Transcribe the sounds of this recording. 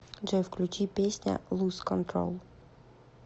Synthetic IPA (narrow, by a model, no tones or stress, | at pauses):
ʐɛfklʲʉt͡ɕipʲesʲnʲə̰lˠuskɔnt̪ɾo̰lˠ